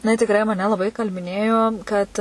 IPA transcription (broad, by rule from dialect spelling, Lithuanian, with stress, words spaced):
jɪˈnɐɪ tʲɪkˈrɐɪ mɐˈnʲɛ lˠɐˈbɐɪ iːkɐlʲbʲɪˈnʲeːjoː kɐt